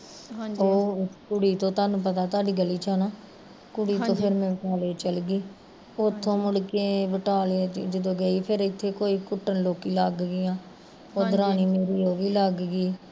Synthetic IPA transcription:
oːkʊɽiːt̪õːt̪aːnũːp̬ət̪aːt̪̬aːɖiːɡəliːt͡ʃʰaːnaː | kʊɽiːt̪õːpʰɪɾmɛ̃ːʋəʈaːleːt͡ʃəlɡiː | ot̪ʰːõːmʊɽkeːʋəʈaːleːd͡ʒəd̪õːɡəiːpʰɪɾɪt̪ʰːeːkoːiːkʊʈːənloːkiːlaɡɡɪjãː | oːd̪əɾaːniːmeːɾiːoːʋiːləɡɡiː

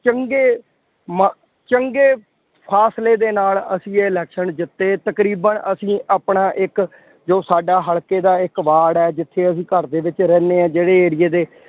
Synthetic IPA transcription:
t͡ʃəŋɡeː | m | t͡ʃəŋɡeː | pʰaːsleːd̪eːnaːlə̰sĩːeɪlɛːkʃənd͡ʒɪt̪ːeːt̪əkɾiːbənʔəsĩːʔaːpɳaːʔɪk | d͡ʒoːsaːɖaːɦəɭkeːd̪aːɪkʋaːɽɛːd͡ʒɪt̪ʰːeːəsĩːkəɾd̪eːʋɪt͡ʃɾɛːneːɛ̃ːd͡ʒeːɽeːeːɾɪjeːd̪eː

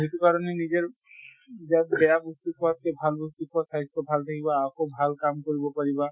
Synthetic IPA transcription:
ɦit̪ukaɾɔnenizeɹ | d͡ʒat̪bɛjabust̪ukat̪̚kebʱalbust̪ukasaɦitt̪ɔbʱalt̪ʰakibaːkobʱalkamkoɹibɔpaɹiba

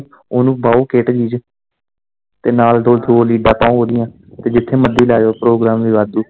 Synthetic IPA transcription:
oːnũːbaːoːkeːʈd͡ʒiːd͡ʒ | t̪eːnaːld̪oːt̪ʰoːliːɖãːpaõːɦoːd̪ɪjãː | t̪eːd͡ʒɪt̪ʰːeːməd̪ːiːlaːd͡ʒoːpɾoːɡɾaːmʋiːʋaːd̪uː

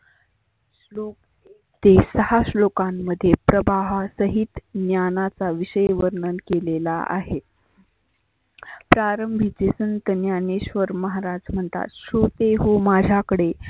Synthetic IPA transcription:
slok | e | t̪esəhaɕlokamːəd̪ʱːjepɾəbaɦasəɦit̪njanat͡saʋiɕəjʋəɾɳənkelela̰ʔa̰ɦet̪ | pɾaɾəmbʱit͡sesənt̪ənjaneɕʋəɾməɦaɾad͡zm̤əɳt̪a̰t̪ɕot̪eɦomad͡ʑʱjakəɽe

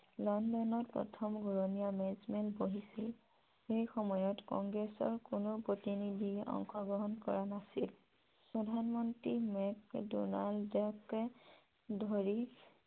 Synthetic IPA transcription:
lɔndɔnɔɹpɹɔ̰tʰɔmɡuɹonijamɛzmɛlboɦisil | xejxɔmɔjɔtkɔŋɡɹɛsɔ̰ɹkʊnopɹotinidʱiɔ̰ŋxɔɡɹɔɦɔnkɔ̰ɹanasil | pɹɔdʱanmɔntɹimɛkdṵnaldɔkɛ | dʱoɹi

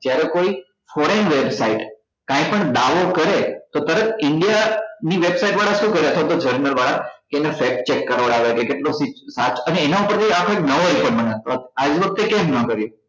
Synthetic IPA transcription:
d͡ʒjaɾekoi | fɔɾenʋebsaiʈ | kãĩpəɳd̪aʋokəɾet̪ot̪əɾət̪ʰɪɳɖijaniʋebsaiʈʋaɽaʃũkəɾjeət̪ʰʋat̪od͡ʒəɾnəlʋaɽakeenefek̚t͡ʃekːəɾʋəɽaʋekekeʈlosisat͡ʃəneːnaupəɾt̪ʰiakʰoeknəʋoɾipəɳməneət̪ʰʋat̪ad͡ʒʋək̚t̪ekẽmnəkəɾjo

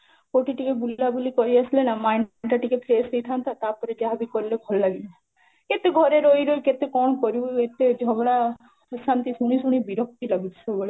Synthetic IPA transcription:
koʈiʈikeʈbulːabulikɔɾiəslenamajɳɳʈaʈikeʈpʰeːset̪ʰant̪ʰat̪apɔɾed͡ʒaɦabikɔɾlekʰɔllaɡi | ket̪eɡʱɔɾeɾoiɾojket̪ekɔɳ̃kɔɾuet̪ed͡ʒʱɔbɽa | əsant̪isuɽ̃isuɽ̃ibiɾɔk̚tiləɡit̪soboɽe

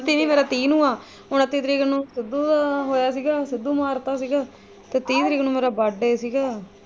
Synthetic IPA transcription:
t̪ːiːniːmeːɾaːt̪iːnũːaː | ʊnat̪iːt̪ɾiːkənũːsɪd̪uːt̪aːɦoːjaːsiːɡaːsɪd̪ːuːmaːɾt̪aːsiːɡaː | t̪eːt̪iːt̪ɾiːkːnũːmeːɾaːbaɖeːsiːɡaː

